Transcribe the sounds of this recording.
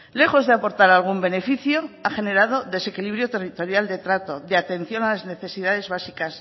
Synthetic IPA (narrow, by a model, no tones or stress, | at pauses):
le̞xo̞zðeapo̞ɾt̪aɾalɣumbe̞ne̞fiθjo̞aχe̞ne̞ɾað̞o̞ðe̞se̞kiliβɾjo̞t̪e̞rit̪o̞ɾjald̪e̞t̪ɾat̪o̞deat̪e̞n̟θjo̞nalazne̞θe̞siðaðe̞zβasikas